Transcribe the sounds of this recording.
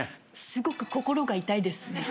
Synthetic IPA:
sɨɡo̞kɯ̟̥ko̞ko̞ɾo̞ɡait̪aid̪e̞sɨne̞

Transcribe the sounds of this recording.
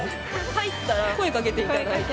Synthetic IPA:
hait̪͈ːaɾakʰoekaɡet̪e̞ianait̪

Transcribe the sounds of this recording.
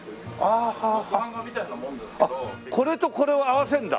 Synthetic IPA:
ahaha | akoɾe̞t̪okoɾe̞oawasʰend̪a̰

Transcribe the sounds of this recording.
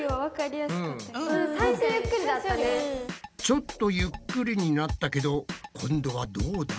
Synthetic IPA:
βaβakaɾʲijasɯ̃saisojɯkːɯɾʲid̪aanet͡ɕo̞t̪ːo̞jɯkːɯɾʲiɲ̟inat̪ːake̞d̪o̞kʰõ̞nd̪o̞βad̪oːd̪a

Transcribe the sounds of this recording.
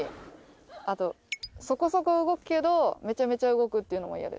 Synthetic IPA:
at̪o̞ | so̞ko̞so̞ko̞ɯ̟ɡo̞kɯ̟̥ke̞d̪ome̞t͡ɕame̞t͡ɕaɯ̟ɡo̞kɯ̟t̪ːeiɯ̟no̞mo̰ja̰ɾɯ̰

